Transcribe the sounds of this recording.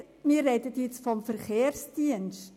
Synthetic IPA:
miːəɾːɛdətjɛt͡sfɔmfəɾχeːrsd̥iənʃt

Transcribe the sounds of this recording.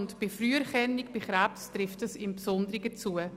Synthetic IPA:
ntb̥ɪfryːəɾχɛnːikb̥ɪχɾæpstɾɪftəsɪmpsʊnd̪əɾɪɡət͡suə

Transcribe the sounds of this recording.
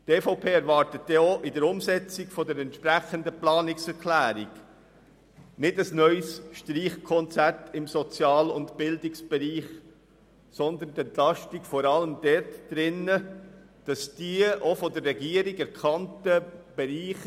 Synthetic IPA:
teːfɔʊpʰeːɛɾvɑɾtət̚dɛoʔɪdəɾʊmsɛt͡sɪkfɔdəɾɛntʃpɾæχəndəplɑːnɪksɛɾklæːɾiɡ | nɪdəsnœʏsʃtɾiːχkʰɔnt͡sætʰɪmsɔt͡sjɑːlʊntb̥ɪldɪksb̥ɛɾiːχ | sɔnd̪əndɛnt̪lɑʃtikfɔɾɑləmd̥ɛrtd̥ɾɪnːə | d̥ɑsd̥iəʔofɔdəɾːɛɡiːəɾiɡɛɾkʰɑntəb̥ɛɾiːχ

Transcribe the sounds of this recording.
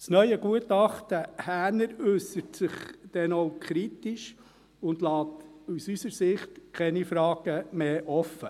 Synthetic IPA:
snœʏəɡuətɑχtəhæːnəɾʉsətsɪχd̥ɛnowkʰɾitiʃ | ʊndlɑːt̪usysəɾsɪχtkʰɛnifɾɑːɡ̥əmeːʔɔfːə

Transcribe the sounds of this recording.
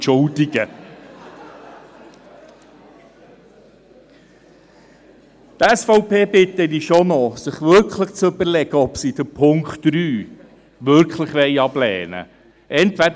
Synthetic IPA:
ʃʊldiɡə | t̪ɛsfɔʊpeːbɪtːədiʃɔnɔsɪχʋʏɾkχləχt͡sɵbəɾlɛɡəɔpsid̥̪əpʰʊŋkχtɾyː | ʋʏɾkχləχʋɛɪɑblɛ̰ːnə̰ | ʔɛntʋæd

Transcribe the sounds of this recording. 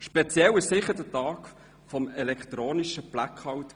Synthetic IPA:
ʃpɛt͡sjɛwɪʃsɪχəd̥ətɑːk | fɔmɛlɛkχt̪ɾoːniʃəb̥lakʰɑwt

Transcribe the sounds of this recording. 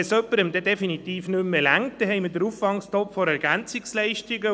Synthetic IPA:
ɛsœpːəɾəmd̪ɛdɛfinit̪iːfnʏmːəlæŋtd̥ɛhɛɪmədəɾuffɑŋstɔpfɔɾɛɾɡænt͡sɪkslɛɪʃtɪɡə

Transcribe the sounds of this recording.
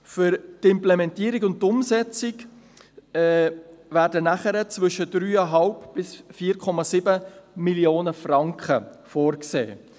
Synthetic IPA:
fʏɾtɪmplɛmɛntiəɾikʊnttːʊmsɛt͡sɪk | ɛvæːɾdənæχəɾət͡sʋʏʃəd̥ɾyːɑɦɑlpb̥ɪsfiːɾkʰɔmɑsɪbəmiljoːnəfɾɑŋkχəfɔːɾksḛː

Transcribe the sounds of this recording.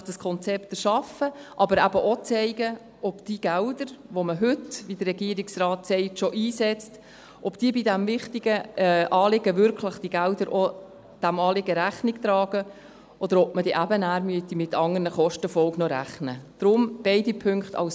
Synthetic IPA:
d̥əskʰɔnt͡sɛpt̪əʃɑfəʔɑbəɾæbəʔɔt͡sɛɪɡə | ɔpd̥iɡ̥æld̪əɾʋoməɦʏtʋid̥ərːɛɡiəɾiksrɑːtsɛɪtʃɔʔiːsɛt͡st | ʔɔpd̥iəbidæmvɪχtiɡəʔɑːlɪɡəʋʏɾkʰləχd̥iɡæld̪əɾʔɔ | d̥æmɑːlɪɡəɾæχnɪkt̪ɾɑːɡ̥ə | ʔɔd̥̪əɾɔp̚mədiʔæbənæːɾmyət̪imɪt̪ʰːɑŋənəχɔʃtəfɔlɡnɔɾæ̰χnəd̥ɾʊmb̥ɛɪdipʰʏŋkχt̪ʰɑ̰ws

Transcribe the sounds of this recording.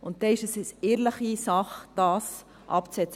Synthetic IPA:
ʊnt̚dɛɪʃəsɛsɛːɾləχisɑχd̥ɑːs | ʔɑ̰pt͡sɛt͡s

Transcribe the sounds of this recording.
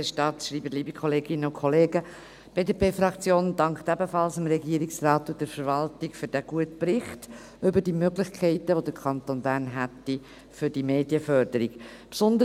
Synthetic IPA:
ɛʃtɑtʃɾiːbətliːbikʰɔleːɡɪnːəʊkʰχɔleːɡə | b̥eːdepeːfɾɑkt͡sjoːndɑŋkχt̪æbəfɑlsəmɾɛɡiːəɾiksrɑːt̪ːud̥ɛɾfəɾʋɑltiɡ̥fʏɾd̥æɡ̥uətpɾɪχt | ʏbəd̥imøɡlɪçkʰɛɪtəʋod̥̪əɾkʰɑnt̪onbæːrnɦætːi | fʏɾd̥imeːdijəfœɾdəɾiɡpsɔnd̪ə

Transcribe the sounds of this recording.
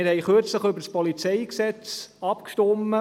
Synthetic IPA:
ɪɾhɛɪχøɾt͡sləχʏbəɾspɔlit͡sɛɪksɛt͡sɑpkʃtɔmːə

